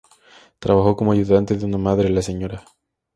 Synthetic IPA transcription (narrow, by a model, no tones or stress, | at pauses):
t̪ɾaβaxo̞ko̞moaʝuðant̪eðeunamaðɾelase̞ɲo̞ɾa